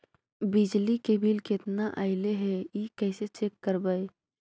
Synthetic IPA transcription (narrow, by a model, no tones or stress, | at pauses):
bɪd͡ʒlikebʱilkɪt̪naʔa̰ɪleɦɛikɛːset͡ʃeːkːəɾbaːe